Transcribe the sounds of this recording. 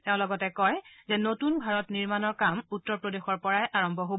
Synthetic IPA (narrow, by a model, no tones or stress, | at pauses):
tɛʊ̃lɔɡɔtɛkɔjzɛnotunbʱaɹɔtniɹmanɔɹkamutːɔɹpɹodexɔɹpɔɹajʔaɹɔmbʱɔɦob